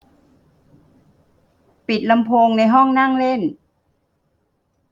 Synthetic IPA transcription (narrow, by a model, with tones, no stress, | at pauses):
pi˨˩t̪̚la˧mpʰoː˧ŋna˧jɦɔ˥˩ŋna˥˩ŋle˥˩n